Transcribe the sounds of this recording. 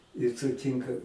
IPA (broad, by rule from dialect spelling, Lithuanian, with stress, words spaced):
ɪ sʊˈtʲiːŋkɐ